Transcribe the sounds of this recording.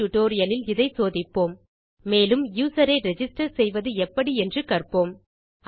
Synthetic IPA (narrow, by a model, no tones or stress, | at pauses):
ʊʈoːɾɪjɐlɪlɪðɐɪsoːðɪpːoːmː | eːlɯmjuːsɐɾɐɪɾɛd͡ʒɪsʈɐɾsɛjʋɐðɯɛpːɐɽiɛndrɯkɐrpoːm